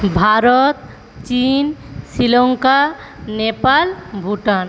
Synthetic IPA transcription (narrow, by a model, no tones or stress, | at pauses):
bʱaɾɔt̪̚ | t͡ʃinsilɔŋka | nepalbʱuʈan